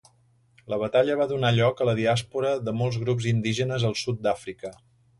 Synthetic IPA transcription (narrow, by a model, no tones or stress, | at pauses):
ləβət̪aʎəβ̞aðunaʎɔkələðiaspuɾəðəmɔlˠzɣɾupzind̪iʒənəzəlˠsut̪̚d̪afɾikə